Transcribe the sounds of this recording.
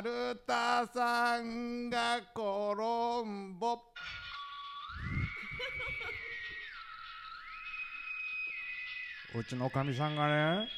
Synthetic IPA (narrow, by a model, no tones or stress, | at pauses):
ɾət̪asaŋɡakɔɾɔmbɔp̚ | o̰t͡ʃənɔkamis̬aŋanɛa